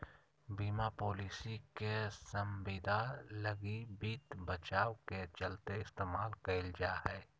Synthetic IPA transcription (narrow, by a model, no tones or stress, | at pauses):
biːmapoːliːsikesəmbiːd̪ʱaːləɡibiːt̪bət͡ʃaːwket͡ʃɐlt̪eɪst̪eːmaːlkɐɪld͡ʒaːɦɛː